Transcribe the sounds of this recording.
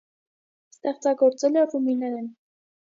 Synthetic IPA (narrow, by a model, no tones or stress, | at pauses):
st̪ɛχt͡sɑɡɔɾt͡sɛlɛvuminɛɾɛn